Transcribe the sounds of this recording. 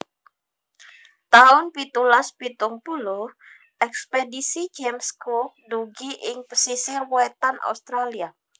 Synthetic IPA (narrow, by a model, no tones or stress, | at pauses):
t̪aʊnpit̪ulaspit̪ʊŋpulʊh | ɛkspedisid͡ʒemskuduɡiʔɪŋpəsisɪrwwɛt̪anʔa̰ust̪ɾalia